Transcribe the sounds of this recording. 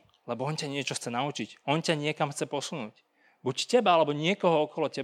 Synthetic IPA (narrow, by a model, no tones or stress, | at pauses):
lɛbɔɔncaɲɪɛt͡ʃɔxt͡sɛnaut͡ʃicɔncaɲɪɛkamxt͡sɛpɔsunuːc | buccɛbaalɛbɔɲɪɛkɔɦɔɔkɔlɔcɛ